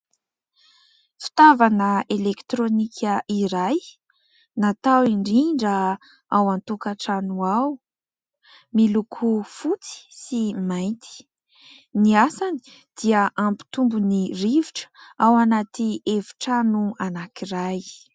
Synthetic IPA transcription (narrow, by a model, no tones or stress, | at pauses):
fi̥t̪avanəelekt̪ɾonikʰəiɾaj | nat̪awiɳɖ͡ʐiɳɖ͡ʐə | awant̪ukaʈ͡ʂanuaw | milukʰufut͡si̥simajnt̪i̥ | niasani̥ | d̪̥iəʔampi̥t̪umbuniriviʈ͡ʂə̥awanat̪ievi̥ʈ͡ʂanuanakiɾaj